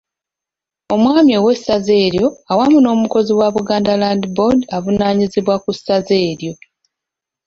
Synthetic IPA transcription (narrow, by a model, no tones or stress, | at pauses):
o̞mwaːmjiowe̞saze̞ːɾjo̞awamuno̞ːmuko̞ziwaβuɡaːndalandibo̞davunaːɲiziβwakusːaze̞ːɾjo̞